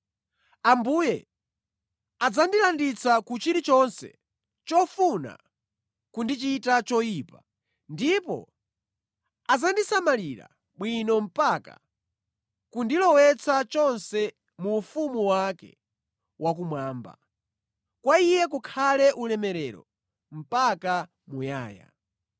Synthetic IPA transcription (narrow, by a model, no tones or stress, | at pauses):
ambuːjɛ | ad͡zandilandit͡sʰakut͡ʃiɾit͡ʃɔnsɛ̰ | t͡ʃɔfuna̰ | kundit͡ʃitat͡ʃɔjiːpa | ndipɔ̰ | ad͡zandisamaliɾa̰ | ɓwinɔm̩paka̰ | kundilɔwɛt͡sʰat͡ʃɔnsɛ | muːfumuwakɛ̰ | wʔak̬umwaːmba̰ | kwaijɛk̬ukʰalɛʔulɛmɛɾɛɾɔ̰ | m̩paka | muja̰ːja̰